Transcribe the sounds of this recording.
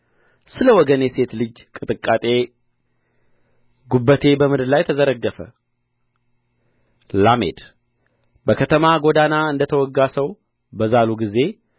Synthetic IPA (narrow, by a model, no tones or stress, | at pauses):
sɨləwɔɡənjese̞t̪lɨd͡ʒkʼɨt̪ʼɨkʼːat̪ʼe̞ | ɡubːət̪ʰe̞bəmɨd̪ɨɾlajt̪ʰəzəɾəɡːəfə̰ | lame̞̰d̪ | bəkʰət̪ʰəmaɡo̞d̪anaɨnd̪ət̪ʰəwɔɡːasəw | bəzaluɡize̞